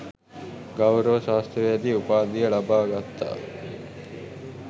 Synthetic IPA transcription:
ɡawɾəʋəʃaːst̪ɾəʋejad̪iupaːd̪ijəlabaːɡat̪ːa̰ː

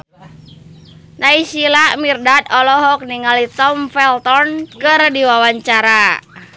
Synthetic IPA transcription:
naisilamirdat̪̚ɔlɔɦɔk̚niŋalit̪ɔmfɛlt̪ɔrnkɨrdiwawaɲt͡ʃaɾa

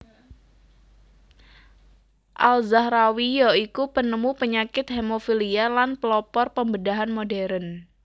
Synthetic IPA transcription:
ʔalzahɾawijɔikupənəmupəɲakɪt̪̚hemofilialanpəlɔpɔrpəmbədaɦanmodɛɾən

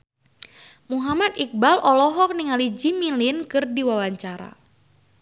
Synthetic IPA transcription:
muɦamat̪̚ik̚balʔɔlɔɦɔk̚niŋalid͡ʒimilinkɨrdiwawaɲt͡ʃaɾa̰

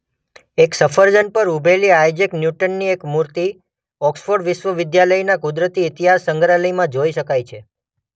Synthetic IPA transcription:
eksəfʰəɾd͡ʒənpəɾubʱeliajd͡ʒeknjuʈənːiekmuɾt̪i | ɔksfoɾɖʋɪʃʋəʋɪd̪jaləjnakʊd̪ɾət̪iɪt̪iɦasəŋɡɾaləjmãd͡ʒoiʃəkajt͡ʃʰe

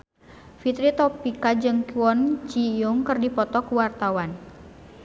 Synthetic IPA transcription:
fit̪ɾit̪ɔpikad͡ʒɨŋkuɔnt͡ʃijuŋkɨrdipɔt̪ɔkuwart̪awan

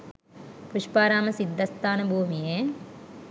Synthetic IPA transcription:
puʃpaːɾaːmɐsid̪ʱːɐst̪aːnɐbʱuːmije

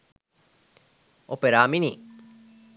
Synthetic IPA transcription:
ʔopeɾaːminiː

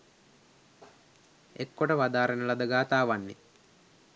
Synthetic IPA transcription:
ekːoʈəʋad̪aːɾənəlɐd̪əɡaːt̪aːʋanːḛ

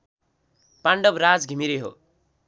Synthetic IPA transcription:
paɳɖʌbrad͡zɡʱimiɾeɦo̰

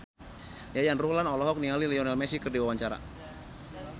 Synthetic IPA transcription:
jajanruhlanɔlɔɦɔk̚niŋaliliɔnalmɛsikərdiwawaɲt͡ʃaɾa̰

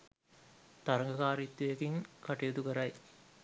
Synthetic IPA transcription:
t̪ɐɾɐŋɡɐkaːɾit̪ːujɐkiŋkɐʈɐjɐd̪ukɐɾɐj

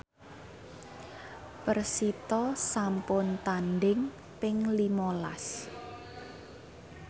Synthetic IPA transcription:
pərsit̪ɔsampʊnt̪anɖɪŋ | pɪŋlimɔla̰s

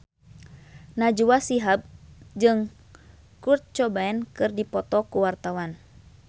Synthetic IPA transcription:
nad͡ʒuwasiɦab̚d͡ʒɨŋ | kurt̪̚t͡ʃɔbaɛnkɨrdipɔt̪ɔkuwart̪awan

